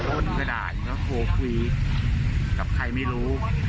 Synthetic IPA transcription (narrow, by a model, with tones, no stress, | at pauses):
tʰo˦˥˩n̚kʰa˧da̰ː˨˩t̪̚kɔː˥˩kʰoː˧kʰwiː˧ | ka˨˩p̚kʰa˧jma˥˩jɾuː˦˥